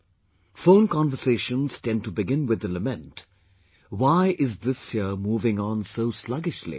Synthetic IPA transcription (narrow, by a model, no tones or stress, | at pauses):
fõʊ̃nkɑ̃nvəseːʃə̃nz̥tɛ̃ntubɪɡɪ̃nwɪd̪ələmɛ̃nt | waɪʔɪzd̪ɪshiəmuːvɪ̃ŋə̃nsoʊslʌɡɪʃlḭ